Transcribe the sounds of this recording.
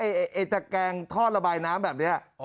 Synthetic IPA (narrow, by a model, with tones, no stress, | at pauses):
a˧˩jʔʔe˨˩t͡ɕa˧kɛː˧ŋt̪ʰɔː˥˩t̪̚ɾa˧baː˧jnaː˦˥mbɛː˨˩p̚ni˦˥ɐʔ